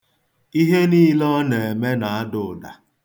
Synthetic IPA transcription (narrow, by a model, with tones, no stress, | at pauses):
i˦ɦe˦niː˦lɔ˦ne˨e˨me˦na˨a˦dʊ˨da̰˨